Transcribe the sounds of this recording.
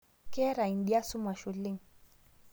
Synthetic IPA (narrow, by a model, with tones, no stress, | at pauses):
kɛ˦ɾa˨i˨nɗi˦a˦su˦ma˨ʃu˨li˦ŋ